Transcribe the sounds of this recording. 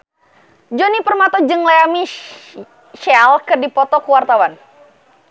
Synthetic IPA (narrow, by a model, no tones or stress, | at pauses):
d͡ʒɔnipərmat̪ɔd͡ʒəŋleami | ʃɛlkɨrdipɔt̪ɔkəwart̪awan